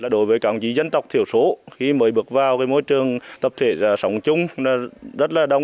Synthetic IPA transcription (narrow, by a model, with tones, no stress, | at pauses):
laː˨˩ɗo˨˦jvəː˨˦jkaː˧˩˨ŋ͡mt͡ɕi˨˦zə˧nt̪ə˨˩wk͡p̚t̪ʰi˧˩əwso˨˦xi˧məː˨˦jɓɨ˨˩ək̚vaː˨˩wkaː˨˦jmo˧˦jt͡ɕɨ˨˩əŋt̪ə˨˩p̚t̪ʰe˧˩zaː˧˩sə˨˦wŋ͡mt͡ɕʊ˧ŋ͡mna˨˧˩zə˦˥t̚laː˨˩ɗə˧˩wŋ͡m